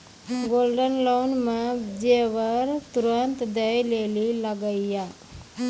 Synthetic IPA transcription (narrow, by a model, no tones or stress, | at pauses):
ɡolɖənlonmãd͡ʒeʋəɾt̪uɾənt̪d̪ejleliləɡəija